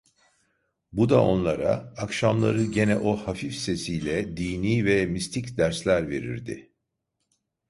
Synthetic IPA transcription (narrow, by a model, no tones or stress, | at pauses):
bud̪aʔo̞̰nlˠaɾa̰ːkʃamlˠa̰ɾɯɟe̞nɛʔo̞hafifse̞sijlʲɛd̪iːniːvɛmist̪ʰicd̪æɾslʲæɾve̞̰ɾḭɾd̪ɪ̰